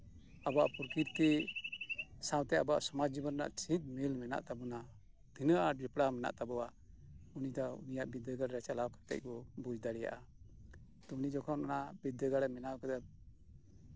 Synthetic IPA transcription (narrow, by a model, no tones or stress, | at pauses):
abaʔpuɾkiɾt̪i | sãwt̪ɛaba̰ʔsɔmad͡ʒd͡ʒibənna̰ʔt͡ʃʰit̪̚milmɛna̰ʔt̪abɔna | d̪inəʔaɖipɽamɛna̰ʔt̪abɔwa | unid̪ɔṵnijaʔbid̪əɡaɽɾɛt͡ʃalawkḁt̪ɛ̰c̚kɔbud͡ʒd̪aɽɛja̰ʔa | t̪ɔunid͡ʒɔkʰɔnanaʔbid̪ːəɡaɽɛmɛnawkad̪ɛb̚